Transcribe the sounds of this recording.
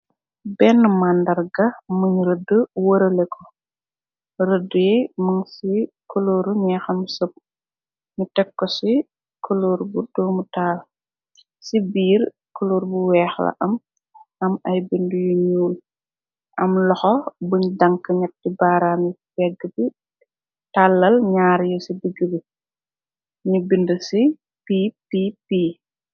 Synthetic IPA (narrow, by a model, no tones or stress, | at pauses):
bɛnːəmandɐrɡɐmuɲɾədəwəɾɐlɛkʰɔ | rədujɛmuŋsikɔloɾuɲaxɐmsop̚ | ɲutɛkːɔsi | kɔloːɾbudɔːmutaːl | sibiːr | kɔloːɾbuwɛːxlɐ̰ʔɐm | ʔɐmɐjbindujuɲuːl | ʔɐmlɔxɔbuɲdɐŋkːɐɲɐt̚ːibaːɾaːmfɛɡːəbi | talːɐlɲaːɾjɔsibiɡəbi | ɲubindusi | pipipiː